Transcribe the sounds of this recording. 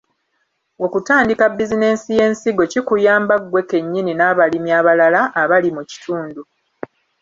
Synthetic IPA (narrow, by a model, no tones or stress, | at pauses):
o̞kutaːndikabːizine̞sije̞ːnsiɡo̞cikujaːmbaɡːwe̞ke̞ɲːininaːβalimjaːβalalaʔːβalimuci̥tʰuːndu